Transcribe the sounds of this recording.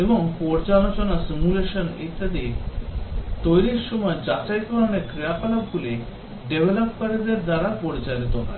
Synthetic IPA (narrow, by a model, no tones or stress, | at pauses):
ebɔŋpɔɾt͡salot͡ɕɔnasimjuleɕənet̪ːəd̪i | t̪ojɾisɕɔmɔjd͡ʑat͡ɕajkɔɾanekɾijapalabɡule | ɖeʋeləpkaɾed̪eɾd̪aɾapɔɽt͡ɕajlet̪ɔna̰ɾ